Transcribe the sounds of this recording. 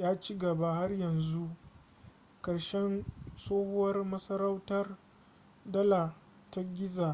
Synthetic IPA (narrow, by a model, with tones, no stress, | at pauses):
jaː˦t͡ʃi˦ɡɐ˨ba˦ha˦rjɐ˨nzu˦ʔ | kɐ˨ɽʃɛ˦nsoː˦hʊ˦wɐ˦rmɐ˦sɐ˦ɾa˦wtɐ˦r | dɐ˦la˨ | ta˦ɡʲɪ˦zaː˨